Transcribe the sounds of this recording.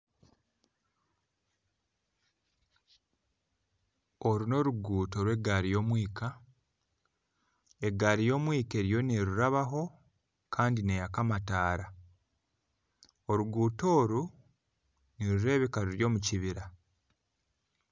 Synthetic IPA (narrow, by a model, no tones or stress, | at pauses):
o̞ɾuno̞ɾuɡuːto̞ːɾwe̞ɡaɾijo̞ːmwiːka | e̞ɡaːɾijo̞ːmwiːke̞ɾjo̞niɾuɾaβaɦo̞ | kʰaːndinejakamataːɾa | o̞ɾuɡuːto̞ːɾu | niɾuɾe̞ːβekaɾuɾjo̞ːmuciβiɾa